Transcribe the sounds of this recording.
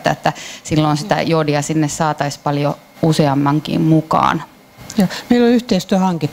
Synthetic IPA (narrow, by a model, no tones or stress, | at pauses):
t̪ːæ̰et̪ːæsilːonsit̪æ̰jodiɑsinːessɑːt̪ɑispɑljo | useɑmːɑŋkḭːmmukɑ̰ːn | joːmeilolyht̪eist̪yæhɑŋkit̪ː